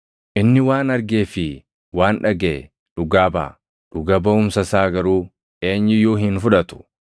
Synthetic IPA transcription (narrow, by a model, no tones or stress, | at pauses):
ʔɪnːɪwaːnɐɾɡe̞ːfɪ | waːnᶑɐɡḛː | ᶑʊɡaːba̰ː | ᶑ̥ʊɡɐbɐʊmsɐsaːɡɐɾuː | e̞ːɲːɪjoːɦɪnfʊᶑɐt̪ʊ̥